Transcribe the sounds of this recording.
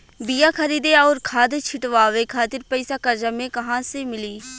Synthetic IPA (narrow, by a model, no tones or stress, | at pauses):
bijakʰɐɾiːd̪eɔːɾkʰaːd̪t͡ʃʰɪʈʋaːʋekʰaːt̪ɪɾpɐɪsakɐɾd͡ʒamẽkɐɦãsemɪliː